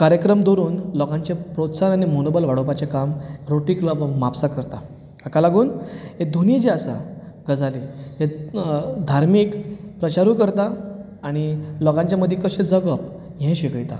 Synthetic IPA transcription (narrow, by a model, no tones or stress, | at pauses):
kaɾjəkɾəmd̪oɾuːnlɔɡãɲt͡ɕepɾot̪sananimonobəlʋaɽopat͡ɕekamɾoʈiːkluaʋmapsakəɾt̪a̰ | akalaɡuːnɦed̪ʱunid͡ʑeasa̰ | ɡəd͡zʱaliɦe | d̪ʱaɾmiːkpɾət͡ɕaɾuːkəɾt̪a | aɽ̃ilɔɡaɲt͡ɕjaməd̪ʱjkəɕẽd͡zəɡəp̚ | ɦɛ̃ɕikəjt̪a̰